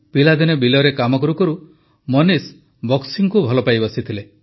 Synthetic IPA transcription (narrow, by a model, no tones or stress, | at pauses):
pilad̪inɔbilɔɾekamɔkɔɾukɔɾu | mɔnis | bɔksiŋkubʱɔlɔpajbɔsit̪ʰile